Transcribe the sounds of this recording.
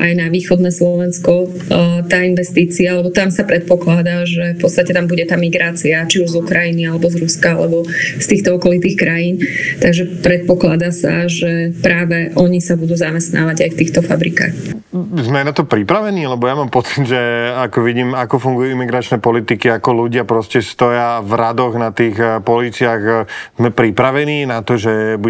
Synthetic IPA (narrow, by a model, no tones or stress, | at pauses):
ʔa̰jnaʋiːxɔd̪nɛːslɔʋɛnskɔ | t̪aːinʋɛst̪iːt͡siaalɛbɔt̪amsapɾɛt̪̚pɔklad̪aʒɛfpɔtt͡st̪acɛt̪ambuɟɛt̪aːmiɡɾaːt͡siat͡ʃiuʒzukɾajinialɛbɔzɾuskaa̰lɛ̰bɔst̪iːxt̪ɔɔkɔlit̪iːxkɾajiːnt̪aɡʒɛpɾɛt̪̚pɔklad̪aːsa̰ʒɛpɾaːʋɛʔɔɲisabud̪uːzamɛst̪na̰ːʋaɟajft̪iːxt̪ɔfa̰bɾika̰ːx | zmɛnat̪ɔpɾipɾaʋɛniːlɛbɔjamaːmpɔt͡sid̪ʒɛakɔʋiɟiːmakɔfuŋɡujuimiɡɾat͡ʃnɛpɔlit̪ikiakɔluɟɪapɾɔscɛst̪ɔjavɾad̪ɔɣnat̪iːxpɔliːt͡sɪaɣzmɛpɾipɾaʋɛniːnat̪ɔʒɛbu